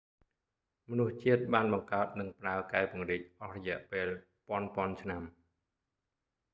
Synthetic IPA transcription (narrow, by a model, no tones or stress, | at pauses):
mɔnuht͡ɕiət̪̚ɓaːnɓɑŋkaət̪̚nɨŋpraəkaɛpŭəŋriːc̚ʔɑhrɔjɛ̆əʔpeːl | pŏənpŏənt͡ɕʰnam